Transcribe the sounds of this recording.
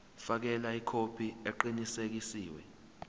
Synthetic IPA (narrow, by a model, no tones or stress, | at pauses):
fak̬ɛlaikʰopʰieǃinisek̬isiːwɛ̰